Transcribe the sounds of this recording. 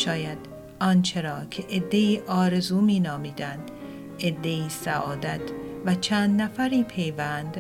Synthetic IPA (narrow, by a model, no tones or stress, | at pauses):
ʃɒːjæd̪ | ɒnt͡ʃʰe̞ɾɒːcʰeʔed̪ːe̞iːʔɒːɾe̞zuːmiːnɒːmiːd̪ænd̪̥ | ed̪ːe̞iːsæʔɒːd̪æt̪ʰvæt͡ʃʰæːnd̪næfæɾiːpʰe̞jvænd̪